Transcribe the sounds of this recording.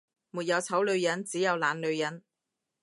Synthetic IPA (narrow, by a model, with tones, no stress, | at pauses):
muː˨˩t̚jɐ˨˧wt͡sʰɐ˨˥wlɵ˨˧ɥjɐ˨˥nt͡siː˨˥jɐ˨˧wlaː˨˧nlɵ˨˧ɥjɐ˨˥n